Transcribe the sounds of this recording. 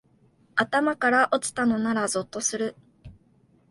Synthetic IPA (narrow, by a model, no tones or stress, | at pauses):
at̪amakaɾaʔo̞t͡sɨ̥t̪ano̞naɾazo̞t̪ːo̞sɨɾɯ̟